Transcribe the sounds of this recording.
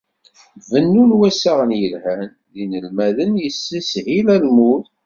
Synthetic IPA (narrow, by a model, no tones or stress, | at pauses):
vənːunwæsæʁənjəlhæn | ðinəlmæðənjəsːæsilælmuθ